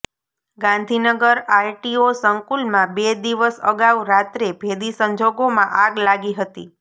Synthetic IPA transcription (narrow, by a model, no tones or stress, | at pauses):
ɡãnd̪ʱinəɡəɾajʈiosəŋkulmãbed̪iʋəsə̰ɡaʋɾat̪ɾebʱed̪isəɲd͡ʒoɡomãʔaɡlaɡiɦət̪ḭ